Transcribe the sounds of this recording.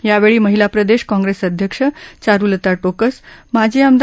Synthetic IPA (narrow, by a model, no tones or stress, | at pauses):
jaʋeɭiːməɦilapɾəd̪eɕkɔ̃ŋɡɾesəd̪ʱjəkʂət͡saɾulət̪aʈokəsmad͡ʑʱiːəmd̪